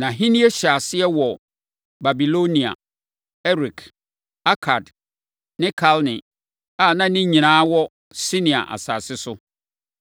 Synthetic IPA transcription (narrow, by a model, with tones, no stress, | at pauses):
nã˨ɦĩ˦nĩ˦e˦ɕa˨sɪ˦ɛ˦wɔ˨ | ba˨bi˨lo˦nĩ˨a̰˨ | ɛ˦ɾi˨kʰ | a˦kʰa˨d | nɪ̃˦kʰa˦lnɪ̃˨ | a˨nã˦nɪ̃˦ɲĩ˨nãː˦wɔ˦ | sɪ˦nɪ̃˨a̰˨ʔa̰˨saː˨sɪ˦sʊ˦